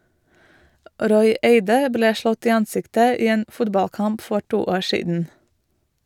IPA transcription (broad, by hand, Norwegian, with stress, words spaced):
ˈʔɾɔʏ ˈeɪdə ˈbleː ˈʃlɔt ˈiː ˈɑnˌsɪktə ˈiː ˈeːn ˈfʊdbɑlˌkɑmp ˈfɔ ˈʈuː ˈoːɹ ˈʃiːdn̩